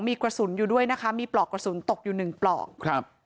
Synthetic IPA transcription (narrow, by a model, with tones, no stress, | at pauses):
ŋmiː˧kɾa˧su˨˩˦njuː˨˩du˥˩əjna˦˥kʰa˦˥miː˧plɔː˨˩kɾa˧su˨˩˦nt̪o˨˩k̚juː˨˩nɯ˨˩ŋplɔ̰ː˨˩k̚ʰa˦p̚